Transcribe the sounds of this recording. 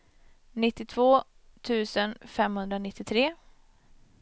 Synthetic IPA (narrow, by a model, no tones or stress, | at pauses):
nɪt̪ːɪt̪ʰvoː | t̪ʰʉ̟ːsənfɛmhɵnd̪ɾanɪt̪ːɪt̪ʰɾeː